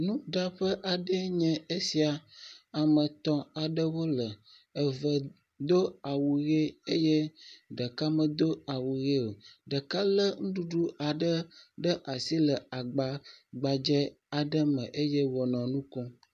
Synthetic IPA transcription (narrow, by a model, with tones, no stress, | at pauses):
nũ˦ɖa˦ɸə˦ʔa˨ɖə˦ɲɛ̃˨e˦si˨a˨a˨mə̃˨t̪ɔ̃˨a˨ɖə˦wo˦lə˨ | ə˨və˨ | d̪o˦a˨wu˨ɣe˦e˦je˦ɖə˨ka˦mə̃˨d̪o˦a˨wu˨ɣe˦lɖə˨ka˦lə˦ŋ̩̃˦ɖu˨ɖu˦a˨ɖə˦ɖə˦ʔa˨si˦lə˨a˨ɡ͡ba˨ɡ͡ba˨d͡ʒɛ˦ | a˨ɖə˦mə̃˨ʔe˦je˦wɔ˨nɔ̃˨nũ˦kɔ̃˦